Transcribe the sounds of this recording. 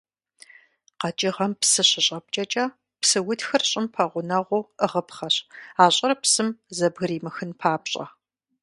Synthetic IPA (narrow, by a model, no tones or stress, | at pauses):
qɐt͡ʃʼɪʁɐmpsɨɕɪɕʼɐp̚t͡ʃʼɐt͡ʃʼɐ | psɨwʊtxɨrɕʼɪmpʰɐʁʷʊnɐʁʷʊəʁəpχɐɕaːɕʼɐɾpsɨmzɐbɣɨɾiːmɨxɨnpʰaːpɕʼɐ̰